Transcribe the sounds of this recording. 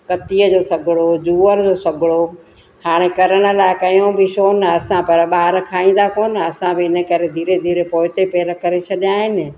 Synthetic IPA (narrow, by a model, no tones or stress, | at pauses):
kɐt̪ijəd͡ʑoːsɐɡʱɪɽod͡ʑuːəɾd͡ʑoːsɐɡʱɪɭo | haːɽ̃ekɐɾəɽ̃ə̆laːɪkɐjõbɪʃoːnəɐsãpɐɾɓaːɾkʰaːĩːn̆d̪akoːnɐsãbɪɪnə̆kɐɾed̪ʱiːɾed̪ʱiːɾepoːɦɪt̪epeːɾəkɐɾet͡ɕʰɐɗjãːɦɪnɪ̆